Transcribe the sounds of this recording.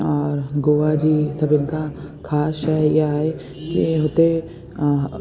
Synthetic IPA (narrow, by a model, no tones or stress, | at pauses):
ɔːɾɡoːʋad͡ʒiːsɐbɪnka | kʰaːsʃɛjeaːe | kiɦot̪e